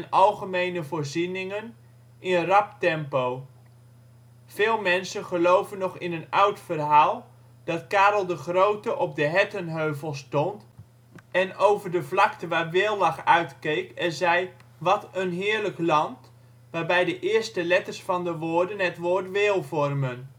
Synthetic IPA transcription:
ənɑlˠχəmejnəvoːɹzinɪŋən | ɪnərɑp̚tɛmpow | v̥ɪːlˠmɛnsənχəlowvənːɔχɪnənʌwtfərɦaːlˠ | d̥ɑtkaːɾəlˠdəχrowtəʔɔb̚dəɦɛtənɦøɥvəlˠstɔnt | ɛnowvərdəvlɑktəʋaːrʋɪːlˠʋɑχœɥtkejkɛzɛjʋɑtənɦɪːɹləklɑnt | ʋaːɹbɛjdəʔɪːɹstəlɛtəɹsfɑndəʋoːrdənɦɛtʋoːɹtʋɪːlˠvɔrmən

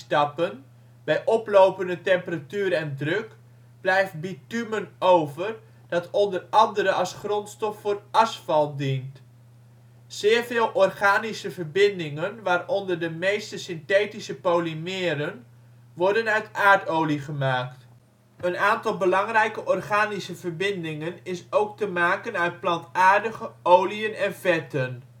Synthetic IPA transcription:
stɑpən | bɛjʔɔplowpəndətɛmpəratyːɾɛndrøk | b̥lɛjft̚bitymənowvər | d̥ɑtɔndərɑndəɾəɑlˠsχrɔntstɔfːʊːrɑsfɑlˠdint | z̥ɪːrvɪːlˠʔɔrχaːnisəvərbɪndɪŋənʋaːrɔndərdəmejstəsɪnteːtisəpowlimɪːɾən | ʋɔɹdənœɥtaːɹtowliχəmaːkt | ənaːntɑlˠbəlɑŋrɛjkəʔɔrχaːnisəvəɹbɪndɪŋənɪsowk̚təmaːkənœɥt̚plɑntaːɹdəχəowliənɛnvɛtən

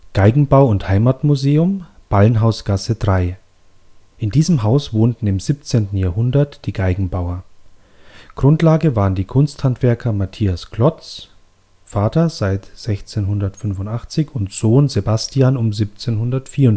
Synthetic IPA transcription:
ɡ̥aɪɡŋ̩baʊʊnthaɪmatmuzeːʊmb̥alənɦaʊsɡ̥asədʁaɪ | ʔɪndiːzəmɦaʊsv̥oːntn̩ɪmziːp̚t͡seːntn̩jaːɐɦʊndɐtd̥iːɡaɪɡŋ̩baʊɐ | ɡ̥ʁʊntlaːɡəvaːʁəndiːkʰʊnsthantv̥ɛɐkʰɐmatʰiːaskl̥ɔt͡s | faːtɐzaɪtz̥ɛçt͡seːnɦʊndɐtfʏnvʊntʔaχt͡sɪçʊntz̥oːnzebastiaːnʊmzip̚t͡seːnɦʊndɐtfiːɐʊn

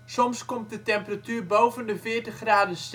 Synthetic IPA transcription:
sɔmskɔmt̚dətɛmpəratyːrbowvəndəfɪəɹtəχraːdəst

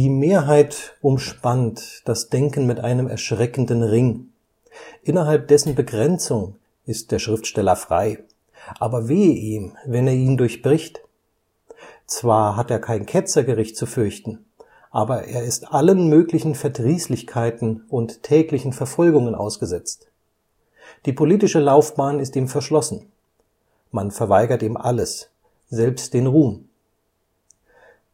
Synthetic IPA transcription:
d̥iːmeːɐɦaɪtʔʊmʃpantd̥asd̥ɛŋkn̩mɪtʔa̰ɪnəmɛ̰ɐʃʁ̥ɛkn̩dənʁɪŋ | ʔɪnɐɦalp̚d̥ɛsn̩bəɡʁɛnt͡sʊŋ | ɪst̚d̥eːɐʃʁ̥ɪftʃtɛlɐfʁ̥a̰ɪ | ʔaːbɐveːʔiːmvɛneːɐiːndʊɐçb̥ʁɪçt | t͡sv̥aːɐɦateːɐkʰaɪnkʰɛt͡sɐɡəʁɪçt̚t͡sufʏɐçtn̩ | ʔaːbɐʔeːɐɪstʔalənmøːklɪçn̩fɛɐdʁiːslɪçkʰaɪtn̩ʔʊntʰːɛːklɪçn̩fɛɐfɔlɡʊŋənʔa̰ʊsɡ̥əzɛt͡st | d̥iːpʰoliːtɪʃəlaʊfb̥aːnɪstiːmfɛɐʃlɔsn̩ | manfɛɐvaɪɡɐtiːmʔa̰ləs | z̥ɛlpst̚d̥eːnʁuːm

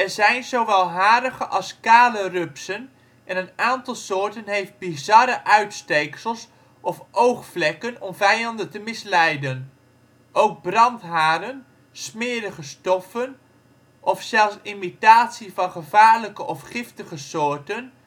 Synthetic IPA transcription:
ɛɹzɛjnzowʋɛlˠɦaːɾəχəʔɑlˠskaːlərɵpsən | ʔɛnənaːntɑlˠsʊːɹtənɦejft̚bizɑɾəʔœɥtstejksəlˠs | ɔfʔowχflɛkənɔmvɛjɑndəntəmɪslɛjdən | ʔowɡ̚brɑntɦaːɾən | smɪːɾəχəstɔfən | ʔɔfsɛlˠsimitaːtsivɑnχəvaːɹləkəʔɔfχɪftəχəsʊːɹtən

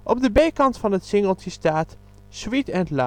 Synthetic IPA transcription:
ʔɔb̚dəbejkɑntfɑnɦətsɪŋəlˠtəstaːt | switɛntla

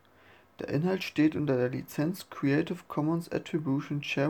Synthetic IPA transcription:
d̥eːɐʔɪnhaltʃteːtʔʊntɐdeːɐlḭt͡sɛnt͡skʰʁ̥iɛɪtɪfkʰɔmənsa̰tʁ̥ibjuʃont͡ʃɛ

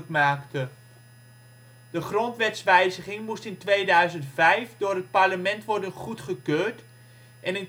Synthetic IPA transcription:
kmaːktə | d̥əχrɔntʋɛtsʋɛjzəχɪŋmustɪntʋeːdœɥzəntfɛjfdʊːrət̚parləmɛntʋɔrdənχutχəkøːrt | ʔɛnən

